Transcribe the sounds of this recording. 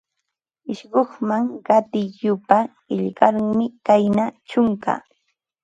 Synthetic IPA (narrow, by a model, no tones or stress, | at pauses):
ɪʃɢoχmaŋɢɑt̪ɪjʊpa | ɪʎɢaɾmɪkajnat͡ʃʊŋka̰